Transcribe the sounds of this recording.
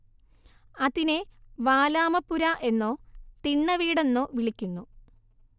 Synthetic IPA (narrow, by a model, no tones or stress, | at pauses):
ɐðineʋaːlaːmɐpːuɾaʔe̞nːoːt̪iɳːɐʋiːɽe̞nːoːʋiɭikʲːunːu